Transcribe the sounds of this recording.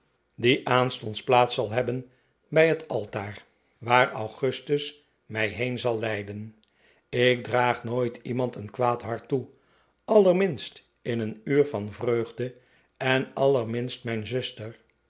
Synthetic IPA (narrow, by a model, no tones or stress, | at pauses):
diʔaːnstɔntsplaːtsɑlˠɦɛbən | bɛjɦətʰɑlˠtaːɹ | ʋaːɹɑwχɵstəs | mɛjɦejnzɑlˠːɛjdən | ɪk̚draːχnoːjtʰimɑntənkʋaːtɦɑɹtu | ɑləɹmɪnst | ɪnənyːɹfɑnvrøɥχdə | ɛnɑlˠəɹmɪnstmɛjnzɵstəɹ